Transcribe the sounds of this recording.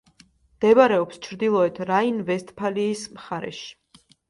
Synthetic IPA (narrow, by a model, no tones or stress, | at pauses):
md̪̥ɛbaɾɛɔpst͡ʃʰɾd̪ilˠɔɛt̪ʰɾainvɛst̪ʰʼpʰaliːsmχaɾɛ̰ʃi̥